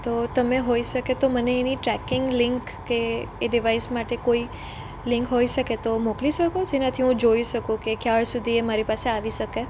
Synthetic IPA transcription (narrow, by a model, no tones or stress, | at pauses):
t̪ot̪əmeɦoiʃəket̪oməneːniʈɾɛkɪŋɡlɪŋkːeːɖiʋaismaʈekoi | lɪ̃ŋkɦoiʃəket̪omokliʃəkod͡ʒenət̪ʰiɦũd͡ʒoiʃəkũkekjaɭsud̪ʱiemaɾipaseaʋiʃəke